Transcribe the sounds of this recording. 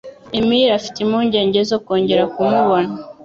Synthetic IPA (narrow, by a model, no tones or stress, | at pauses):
emiɾafi̥timuːɲɟe̞ːɲɟe̞zoko̞ːɲɟe̞ɾakumuβo̞na